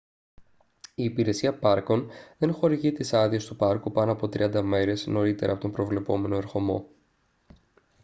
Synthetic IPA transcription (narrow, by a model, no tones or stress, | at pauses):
iːpiɾe̞siɐpɐɾko̞nðe̞nxo̞ɾiʝit̪isɐðio̞st̪upɐɾkupɐno̞ɐpo̞t̪ɾḭɐnd̪ɐme̞ɾe̞zno̞ɾit̪e̞ɾɐːpo̞t̪ompɾo̞vle̞po̞me̞noeɾxo̞mo̞̰